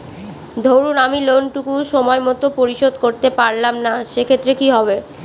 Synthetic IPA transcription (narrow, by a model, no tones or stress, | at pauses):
d̪ʱowɾunamilonʈukuʃɔmɔemɔt̪opoɾiʃod̪koɾt̪epaɾlamnaʃekʰet̪ːɾekiɦɔbe